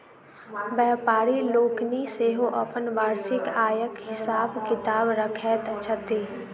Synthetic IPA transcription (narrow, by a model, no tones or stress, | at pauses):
bɛːpaːɾiloːkniseɦoʔɐpənʋaːɾsɪkaːjəkɦɪsaːbkɪt̪aːbɾəkʰɛːt̪t͡ʃʰət̪eː